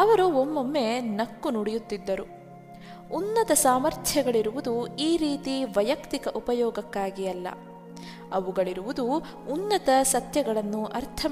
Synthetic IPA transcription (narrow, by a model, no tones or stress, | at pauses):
ɐʋɐɾuomːomːe̞nɐkːunuɽijut̪ːid̪ːɐɾu | unːɐt̪ɐsaːmɐɾt̪ʰjɐɡɐɭiɾuʋud̪uiːɾiːt̪iʋɐjɐkt̪ikɐʔupɐjɔːɡɐkːaːɡijɐlːɐ̰ | ɐʋuɡɐɭiɾuʋud̪uː | nːɐt̪ɐsɐt̪jɐɡɐɭɐnːuʔɐɾt̪ʰɐ